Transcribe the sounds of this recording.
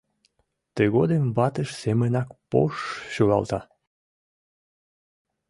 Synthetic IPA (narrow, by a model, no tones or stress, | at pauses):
t̪əɣod̪emβɑt̪əʃsemənɑkpo̰ʃɕoɣɑ̰lt̪ɑ